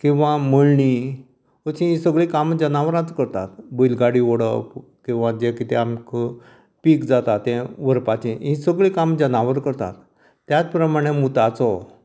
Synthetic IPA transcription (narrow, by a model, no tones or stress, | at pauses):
kĩw̃ʋaməɭɳi | ət͡ɕĩĩsəɡɭikamd͡ʑənaʋɾãt͡skəɾt̪a̰t̪bəjlɡaɽiʋɔɽəp | kĩw̃ʋãd͡ʑekit̪ɛamk | pikd͡zat̪at̪ːɛ̃ʋəɾpat͡ɕĩĩsəɡɭĩkamd͡ʑənaʋəɾkəɾt̪a̰t̪ː | jat͡spɾəmaɽ̃emut̪at͡sɔ